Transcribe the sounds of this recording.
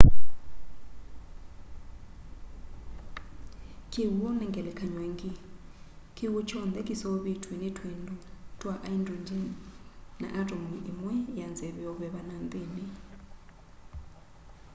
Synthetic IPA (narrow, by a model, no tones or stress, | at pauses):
kʰʼiwuɔnɛŋɡʱʼɛlɛkʰaɲweŋkʰʼi | kʰiwut͡ʃʰɔnd̪ɛkʼisɔɓitʰwinitʰwendʼutʰʼwaʔajndɔndi | na̰ʔadʼɔmimwɛjand͡zɛβɛɔβɛɓanant̪ʼiːni